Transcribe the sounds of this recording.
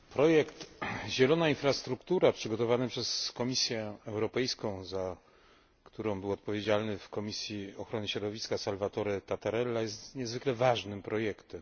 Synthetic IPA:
pɾɔjɛkt̪ʑɛlɔnainfɾast̪ɾukt̪uɾapʂɘɡɔt̪ɔvanɘpʂɛskɔmʲisʲjɛɛwɾɔpɛjskɔ̃w̃za | kt̪uɾɔ̃w̃bɘwɔt̪̚pɔvʲjed͡ʑalnɘfkɔmʲisʲjiɔxɾɔnɘɕɾɔd̪ɔvʲiskasalvat̪ɔɾɛt̪at̪aɾɛlːajɛst̪ɲɛzvɘklɛvaʐnɘmpɾɔjɛkt̪ɛm

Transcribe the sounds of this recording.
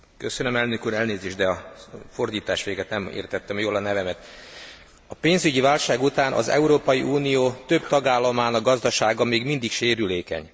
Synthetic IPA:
kø̞sønømɛlnøkuːɾɛlneːzeːʒd̪ɛɒfo̞rd̪iːt̪aːʃʋeːɡɛt̪nɛmḛːrt̪ɛt̪ːɛmjoːlɒnɛvɛmɛt̪ | ɒpeːnzyɟivaːlʃaːɡut̪aːnʔɒ̰zɛ̰uɾoːpɒjiʔuːnijoːt̪ø̞b̚t̪ɒɡaːlːɒmaːnɒɡɒzd̪ɒʃaːɡɒmeːɡmind̪ikʃeːɾyleːkɛ̰ɲ

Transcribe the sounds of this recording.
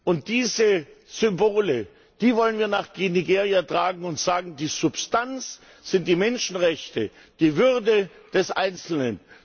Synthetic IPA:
ʔʊnt̚d̥iːzəz̥ʏmboːlə | d̥iːvɔlənviːɐnaːχɡ̥niɡeːʁiatʁ̥aːɡŋ̩ʊntz̥aːɡŋ̩diːz̥ʊpstant͡s | z̥ɪnt̚d̥iːmɛnʃn̩ʁɛçtə | d̥iːvʏʁdə | d̥ɛsʔa̰ɪnt͡sl̩nən

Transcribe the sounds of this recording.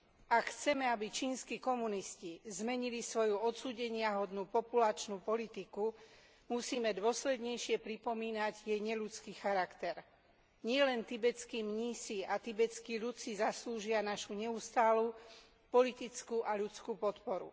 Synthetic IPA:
akxt͡sɛmɛabit͡ʃiːnskiːkɔmuniscizmɛɲilisʋɔjuɔt̪suːɟɛɲɪaɦɔd̪nuːpɔpulat͡ʃnuːpɔlit̪iku | musiːmɛd̪ʊɔslɛd̪ɲɛjʃɪɛpɾipɔmiːnaɟjɛjɲɛʎut͡skiːxaɾakt̪ɛɾ | ɲɪɛlɛnt̪ibɛt͡skiːmɲiːsiat̪ibɛt͡skiːʎut͡sizasluːʒɪanaʃuɲɛust̪aːluː | pɔlit̪it͡skuʔaʎut͡skuːpɔt̪pɔɾṵ

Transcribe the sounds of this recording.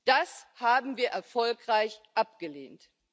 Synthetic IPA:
d̥ashaːbm̩viːɐʔɛɐfɔlkʁ̥aɪçʔap̚ɡ̥əlḛːnt

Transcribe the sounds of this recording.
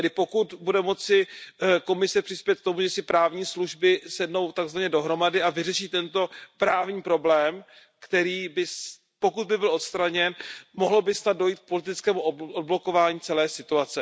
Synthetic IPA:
ɛdɪpo̞kut̪budɛmo̞t͡sɪko̞mɪsɛpr̥ɪspjɛt̪̚kt̪o̞muʒɛsɪpɾaːvɲiːsluʒbɪsɛdno̞wt̪aɡzvaɲɛdo̞ɦɾo̞madɪʔavɪrɛʃiːt̪ɛnt̪o̞pɾaːvɲiːpɾo̞blɛːm | kt̪ɛɾiːbɪs | po̞kud̪̚bɪbɪlʔo̞t̪st̪ɾaɲɛnmoɦlobɪsnad̪̚dojiːt̪̚k̚po̞lɪt̪ɪt͡skɛːmuʔoʔod̚blo̞ko̞vaːɲiːt͡sɛlɛːsɪt̪uat͡sɛ

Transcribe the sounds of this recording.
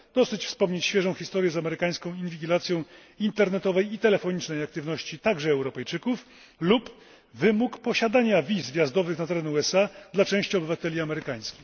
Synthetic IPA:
d̪ɔsɘt͡ɕfspɔmɲet͡ɕɕfʲjɛʐɔ̃w̃xʲist̪ɔɾʲjɛzamɛɾɘkaj̃skɔ̃w̃invʲiɡʲilat̪sʲjɔ̃w̃ | int̪ɛɾnɛt̪ɔvɛjit̪ɛlɛfɔɲit͡ʂnɛjak̚t̪ɘvnɔɕt͡ɕit̪aɡʐɛːwɾɔpɛjt͡ʂɘkuf | lup | vɘmukpɔɕad̪aɲavʲizvʲjazd̪ɔvɘxnat̪ɛɾɛnuɛsad̪lat͡ʂɛ̃w̃ɕt͡ɕiɔbɘvat̪ɛlʲiamɛɾɘkaj̃skʲi̥x

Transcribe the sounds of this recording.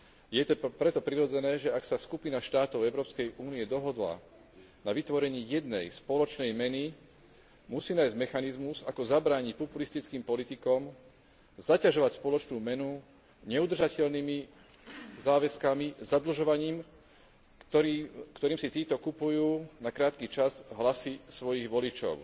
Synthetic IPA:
jɛt̪ɔpɾɛt̪ɔpɾiɾɔd͡zɛnɛːʒɛaksaskupinaʃt̪aːt̪ɔʊɛʊɾɔːpskɛjʔuːniɛd̪ɔɦɔd̪la̰ | naʋit̪ʋɔɾɛɲɪijɛd̪nɛjspɔlɔt͡ʃnɛjmɛni | musiːnaːjzɟmɛxanizmuzakɔzabɾaːɲic̚pɔpulist̪it͡skiːmpɔlit̪ikɔm | zacaʒɔʋacspɔlɔt͡ʃnuːmɛnu | ɲɛud̪rʒacɛʎnimi | zaːʋɛskamizad̪l̩ʒɔʋaɲiːm | ɔikt̪ɔɾiːmsit̪iːt̪ɔkupujuːnakɾaːt̪kit͡ʃazɦlasisʋɔjiɣʋɔlit͡ʃɔ̰ʊ

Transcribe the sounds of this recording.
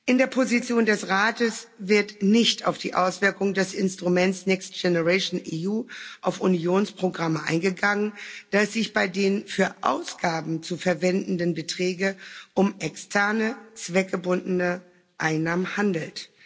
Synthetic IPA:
ʔɪndeːɐpʰozit͡sjoːndɛsʁaːtəsvɪɐtnɪçta̰ʊfd̥ḭːʔa̰ʊsv̥ɪɐkʊŋdɛsɪnstʁ̥umɛnt͡ssnɛkst̚ɡ̥ɛnəʁɛʃnʔiuːʔaʊfunjoːnspʁ̥oɡʁaməʔa̰ɪnɡəɡaŋənd̥aɛsz̥ɪçb̥aɪdeːnfyːɐʔa̰ʊsɡ̥aːbm̩t͡sufɛɐvɛndn̩dənbətʁ̥ɛːɡəʔʊmʔɛkstʰɛɐnət͡sv̥ɛk̚ɡ̥əbʊndənə | ʔaɪnːaːmənhandl̩t

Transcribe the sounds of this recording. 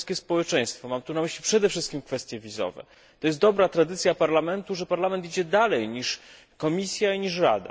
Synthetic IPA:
skʲɛspɔwɛt͡ʂɛ̃j̃st̪fɔmamt̪unamɘɕlʲipʂɛd̪ɛfʂɘst̪̚kʲimkfɛst̪ʲjɛvʲizɔ̰vɛ̰ | t̪ɔjɛst̪d̪ɔbɾat̪ɾad̪ɘt̪sʲjapaɾlamɛnt̪uʐɛpaɾlamɛnt̪id͡ʑɛd̪alɛjɲiʂ | kɔmʲisʲjaiɲiʂɾa̰d̪a̰

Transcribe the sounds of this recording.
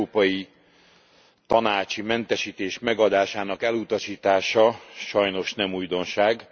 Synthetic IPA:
pɒji | t̪ɒnaːt͡ʃimɛnt̪ɛʃiːt̪eːʃmɛɡɒd̪aːʃaːnɒkɛlut̪ɒʃiːt̪aːʃɒʃɒjno̞ʃnɛmujd̪o̞nʃaːɡ

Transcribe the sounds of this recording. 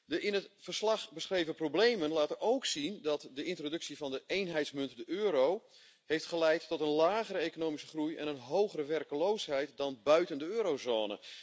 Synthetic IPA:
dəʔɪnətfərslɑχbəsχrejvəproblejmənlaːtənowksindɑtdəɪntrodɵksivɑndəejnɦɛjtsmʏntdəʔøːɾow | hejftχəlɛjtːɔtənlaːɣəɾəejkonoːmisəχrujɛ̰nənɦowχərəʋɛrkəlowsɦɛjtdɑnbœɥtəndəøːɾowzoːnə̰

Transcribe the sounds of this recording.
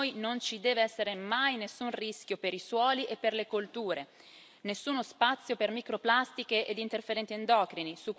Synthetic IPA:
jnont͡ʃid̪ɛːveɛsːeɾemajnesːunriskʲjopeɾiswɔːliʔepːerlekolt̪uːɾe | nesːuːnospat̪sːjopermikɾoplast̪ikeʔed̪int̪erfeɾɛnt̪iend̪ɔːkɾinisukː

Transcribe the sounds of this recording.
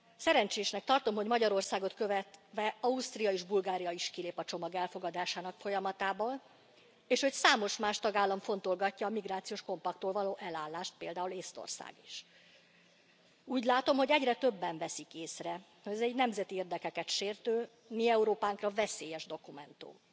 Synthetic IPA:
sɛɾɛnt͡ʃeːʃnɛk̚t̪ɒrt̪o̞mho̞ɟmɒɟɒɾo̞rsaːɡo̞t̪kø̞vɛt̪ʋɛɒust̪rijɒeːʒbulɡaːɾijɒiʃkileːpɒt͡ʃo̞mɒɡɛlfo̞ɡɒd̪aːʃaːnɒkfo̞jɒmɒt̪aːboːl | eːʃho̞csaːmo̞ʃmaːʃt̪ɒɡaːlːɒɱfo̞n̪t̪o̞lɡɒcːɒːmiɡraːt̪sijoːʃko̞mpɒk̚t̪ːoːlvɒloːʔɛlaːlːaːʃt̪̚peːld̪aːuleːst̪o̰rsa̰ːɡiʃ | uːɟlaːt̪o̞mho̞ɟɛɟrɛt̪øbːɛɱvɛsikeːsrɛ | hoɟɛzɛɟnɛmzɛt̪ieːrd̪ɛkɛkɛt̪ʃeːrt̪øː | miɛuɾoːpaːŋkrɒvɛseːjɛʒd̪o̞kumɛnt̪ṵm

